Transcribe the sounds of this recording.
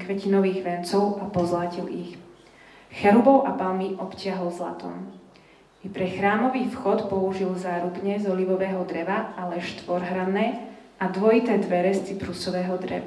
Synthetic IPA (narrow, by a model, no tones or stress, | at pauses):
kʋɛcinɔʋiːɣʋɛnt͡sɔʊapɔzlacilix | xɛɾubɔʊʔapalmiʔɔpcɪaɦɔlzla̰t̪ɔ̰m | ipɾɛxɾaːmɔʋiːfxɔt̪pɔuʒilzaːɾubɲɛzɔliʋɔʋɛːɦɔd̪ɾɛʋaalɛʃt̪ʋɔɾɦɾanɛːʔad̪ʋɔit̪ɛːd̪ʋɛɾɛst͡sipɾusɔʋɛːɦɔd̪ɾɛ̰ʋa